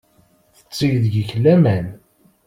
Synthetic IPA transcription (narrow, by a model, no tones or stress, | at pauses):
θə̥t͡sːiʝðʝəçlːæmæn